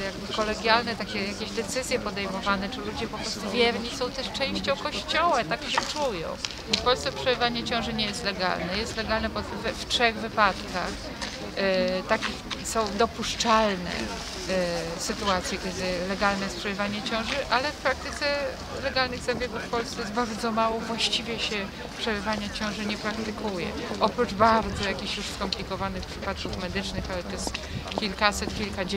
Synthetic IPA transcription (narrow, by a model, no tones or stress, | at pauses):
jaɡbɘkɔlɛɡʲjalnɛt̪akʲɛjakʲeʑd̪ɛt̪sɘzʲjɛpɔd̪ɛjmɔvanɛt͡ʂɘlud͡ʑɛpɔpɾɔst̪uvʲjɛɾɲisɔ̃w̃t̪ɛʂt͡ʂɛ̃w̃ɕt͡ɕɔ̃w̃kɔɕt͡ɕɔwat̪akɕɛt͡ʂujɔ̰̃w̃ | ifpɔlssɛpʂɛvaɲɛt͡ɕɔ̃w̃ʐɛɲɛjɛst̪lɛɡa̰lnɛjɛst̪lɛɡalnɛpsɛvɛftʂɛɣvɘpat̪kax | t̪akʲi | sɔ̃w̃d̪ɔpuʂt͡ʂalnɛ̰ | sɘt̪uat̪sʲjɛkʲɛd̪ɪlɛɡalnɛjɛspʂɛlɛvaɲɛt͡ɕɔ̃w̃ʐɨʔalɛfpɾak̚t̪ɘt̪sɛ | lɛɡalnɘɣzɛbʲjeɡuffpɔlst̪ɛjɛsbaɾd̪zɔmawɔvwaɕt͡ɕivʲjɛɕɛ | pʂɛlɛvaɲat͡ɕɔ̃w̃ʐɘɲɛpɾakt̪ɘkʰujɛ̰ʔɔpɾut͡ʂbaɾd̪zɔjakʲiɕjuʂskɔmplʲikɔvanɘxpʂɘpat̪̚kufmɛd̪ɘt͡ʂnɘxalɛt̪ɛs | kʲilkasɛt̪kʲilka